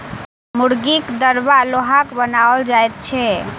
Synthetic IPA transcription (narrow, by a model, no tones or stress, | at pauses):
muɽɡikd̪əɾbaloɦakbənaold͡ʒaet̪̚t͡ʃʰɛ